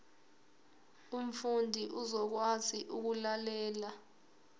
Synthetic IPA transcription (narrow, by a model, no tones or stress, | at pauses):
um̩fundʱiʔuzɔk̬waziʔuk̬ulalɛːla